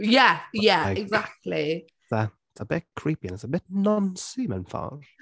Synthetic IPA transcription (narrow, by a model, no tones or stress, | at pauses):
jɛjɛɪɡzak̚tʰˡli | ðəɪtsəbɪtkʰɹ̥iːˑpiə̃nɪtsəbɪtnɔ̃nsʉːmə̰̃nfɔ̰ɹ